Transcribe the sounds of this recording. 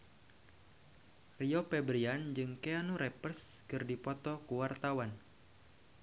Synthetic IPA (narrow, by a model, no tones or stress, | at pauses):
riɔpɛbɾiand͡ʒɨŋkeanuɾɛpərskɨrdipɔt̪ɔkuwart̪awan